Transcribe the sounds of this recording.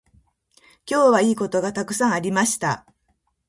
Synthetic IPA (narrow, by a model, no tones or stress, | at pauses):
kʲo̞ːβaiːko̞t̪o̞ɡat̪akɯ̟̥sãɰ̃aɾʲimaɕi̥t̪a̰